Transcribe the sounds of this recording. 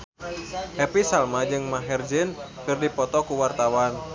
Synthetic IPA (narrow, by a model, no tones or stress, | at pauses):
ɛpisalmad͡ʒɨŋmaɦɛrd͡ʒɨnkɨrdipɔt̪ɔkuwart̪awan